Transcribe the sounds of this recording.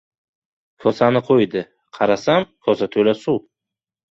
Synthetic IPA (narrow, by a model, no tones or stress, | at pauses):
kʰɒsanɪqʰojd̪ɪ | qʰɑɾasamkʰɒsat̪ʰolasuw